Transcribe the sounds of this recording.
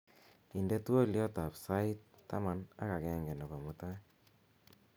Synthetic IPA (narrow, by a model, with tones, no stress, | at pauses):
i˨ndɛ˦tu˦o˦ljɔ˦ta˨psa˦i˦tːa̰˦ma˦na̰˦ka˨kɛ˦ŋɡɛ˨nɔ˨kɔ˨mu˦ta˦